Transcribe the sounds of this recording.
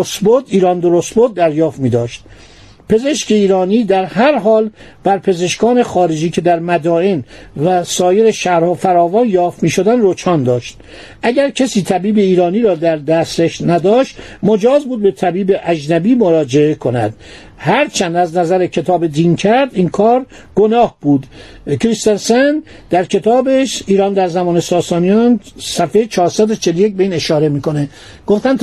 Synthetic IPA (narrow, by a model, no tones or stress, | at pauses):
ost̪bod̪iːɾɒnd̪oɾost̪bod̪̚ːæɾjɒːft̪miːd̪ɒːʃt̪̚ | pe̞ze̞ʃceiːɾɒːniːd̪æɾɦæɾɦɒːlb̥æɾpʰe̞ze̞ʃkɒːne̞xɒːɾed͡ʒiːcʰe̞d̪æɾmæd̪ɒːenvæsɒːje̞ɾeʃæɾfæɾɒːvɒːnjɒːft̪miːʃo̞d̪ænrot͡ʃʰɒːnd̪ɒːʃt̪̚ | ʔæɟæɾcʰæsiːt̪ʰæbiːbe̞iːɾɒːniːɾɒːd̪æɾd̪æseʃnæd̪ɒːʃt̪mod͡ʒɒːzbuːd̪̚be̞t̪ʰæbiːbeʔæd͡ʒnæbiːmoɾɒːd͡ʒe̞ekʰo̞næ̰d̪̥ | hæɾt͡ʃʰænd̪æznæzæɾecʰe̞t̪ʰɒːbed̪iːncʰæɾd̪inkʰɒːɾ | ɡ̥onɒːhb̥uːd̪ | kʰɾist̪ensen | d̪̥æɾcʰe̞t̪ʰɒːbeʃiːɾɒːnd̪æɾzæmɒːnesɒːsɒːnijɒnsæfejet͡ʃʰɒːɾsæd̪ot͡ʃʰeloje̞c̚beiːne̞ʃɒːɾemiːko̞ne | ɡ̥oft̪ænt̪